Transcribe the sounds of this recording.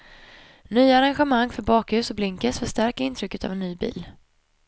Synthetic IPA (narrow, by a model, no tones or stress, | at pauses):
nyːaaɾanɧɛmaŋːfœɾbɑːkhʉ̟ːsɔblɪŋkəsfœʂtæɾkaɪnt̪ʰɾʏkːət̪ʰa̰vɛnːyːbḭːl